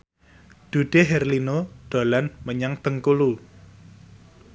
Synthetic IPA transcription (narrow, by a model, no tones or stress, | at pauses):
d̪̥ṳɖ̪̥eɦɛrlinoɖ̪̥o̤lanməɲaŋt̪əŋkulu